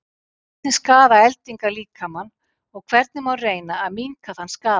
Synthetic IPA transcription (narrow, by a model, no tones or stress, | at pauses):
ɛt̪nɪskaːðaɛlt̪iŋkaliːkʰamanː | ɔɣkʰv̥ɛɾt̪nɪmawreːjnaːðmiŋkaθhanːskaː